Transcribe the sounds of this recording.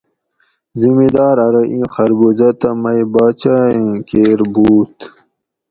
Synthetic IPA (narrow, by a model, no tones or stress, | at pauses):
zimid̪aːɾɐɾɐʔĩːxɐɾbuzɐt̪ɐmɐjbaːt͡ɕaĩkeɾbuːt̪